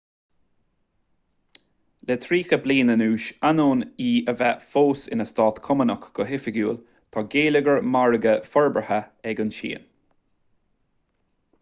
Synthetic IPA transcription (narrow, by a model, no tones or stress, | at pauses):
lɛt̪ʰɾiːxəbliːnənuːʃanoːniːəvɛfoːsɪ̰nəst̪ɑːt̪kʰʊmənəkɡ̥ɔɦɪfɪɡjṵːl | t̪ʰɔːɡeːləɡəɹmaɹəɡəfɔɹbɹəhəɛɡʊnʃḭːn